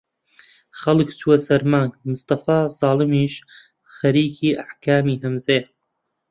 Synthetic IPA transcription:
xɐlˠɨkt͡sʰuɐsɐɾmaːŋɡmʊst̪ɑfaːzɑːlˠɨmiːʃ | xɐɾiːkʰiːʔaħkʰaːmiːɦɐmzeː

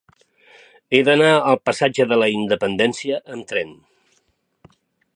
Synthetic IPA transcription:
eðənaəlˠpəsad͡ʒəðələind̪əpənd̪ɛnsiəʔəmt̪ɾɛn

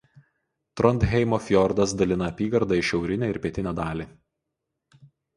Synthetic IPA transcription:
t̪ɾɔnt̪ɦʲɛɪmɔfʲjɔɾd̪ɐsd̪ɐlʲɪnɐːpʲiːɡɐɾd̪ɐˑɪʃʲɛʊɾʲɪnʲæˑɪɾʲpʲiɛt̪ʲɪnʲæd̪ɑːlʲiː

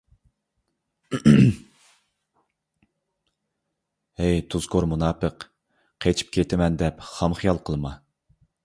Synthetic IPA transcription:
ɛjt̪ʰuz̥kʰoɾmunɑːpəq | qʰet͡ʃʰi̥p̚kʲʰet̪ʰɪmɛnd̪ɛpχɑmχijɑlˠqʰəlˠɨmɑ

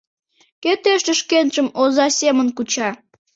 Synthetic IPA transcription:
ket̪eʃəʃkenʒəmozɑsʲemənkut͡ɕɑ

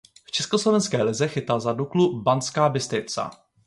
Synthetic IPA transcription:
ft͡ʃɛskoslo̞vɛnskɛːlɪzɛxɪt̪alzaduklubant͡skaːbɪst̪ɪt͡sa̰

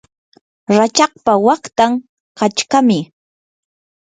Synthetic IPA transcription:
ɾat͡ʃɑχ̚pawɑχt̪aŋ | kat͡ʃkamɪ

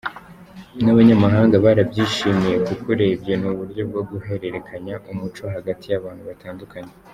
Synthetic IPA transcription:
naβaɲamaɦaːŋɡaβaːɾabɟiːʃiːmije̞kukuɾe̞bjenuβuɾɟjo̞b̚ɡo̞ɡuɦe̞ɾe̞ɾe̞kʰaɲaʔumut͡ʃo̞ɦaɡatʰijaβaːn̥huβatʰaːndukʰaɲe

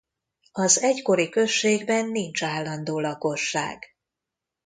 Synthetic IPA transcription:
ɒzɛcko̞ɾikø̞ʃːeːɡbɛnːint͡ʃaːlːɒnd̪oːlɒko̞ʃːa̰ːɡ̥

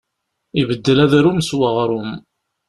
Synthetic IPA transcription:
ivəd̪ːəlæðɾumswəʁɾʊm

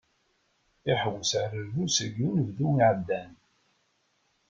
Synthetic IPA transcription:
iħəwəsʕəɾəɾðusəɡunəvðuiʕəd̪ːæn

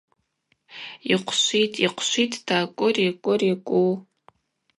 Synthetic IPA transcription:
iqʷʰʃʷitʼiqʷʰʃʷitʼd̥aːkʷʼʊrikʷʼʊrikʷʼu

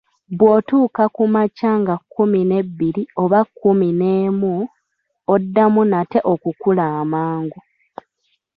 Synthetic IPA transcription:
βwo̞ːtuːkakumacaːŋɡakːumine̞bːiɾio̞βakːumineːmu | odːamunate̞ʔo̞kukulaːmaːŋɡu

